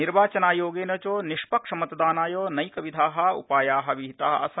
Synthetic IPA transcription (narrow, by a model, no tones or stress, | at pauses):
niɾʋaːt͡ʃɐnaːjoːɡeːnɐt͡ʃoːniʃpɐkʂɐmɐt̪d̪aːnaːjoːnɐjkɐʋid̪ʱaːɦɐ̆ṵpaːjaːɦɐ̆ʋiɦit̪aːɦɐɐ̰sɐ